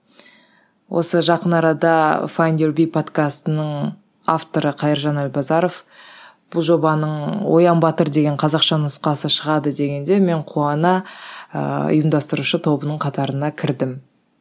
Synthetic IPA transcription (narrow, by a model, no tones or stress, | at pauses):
wʔo̞̰səʒɑqənɑɾɑd̪ɑfajnd̪eɾbijpʰo̞t̪kast̪ənəɴ | aft̪o̞ɾəqʰɑjəɾʒɑnælbɑzɑɾo̞fb̥ʊlˠʒo̞bɑnəɴwo̞̰jɑmbɑt̪əɾd̪e̞ɡʲe̞ɴqʰɑzɑqʃɑnʊsqɑsəʃəʁɑd̪əd̪e̞ɡʲe̞nd̪e̞me̞ɴqʰuɑnɑə̰ʊ̰jəmd̪ɑst̪əɾuʃət̪ʰo̞bənəɴqʰɑt̪ɑɾənɑkʲʰɪɾd̪ɪm